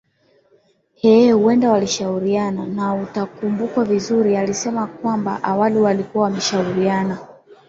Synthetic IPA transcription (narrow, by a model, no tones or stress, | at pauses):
hɛhuwɛndawaliʃauɾiananautakumbukwavizuɾialisɛmak̚wamba̰ʔawaliwalikuwawamɛʃauɾiana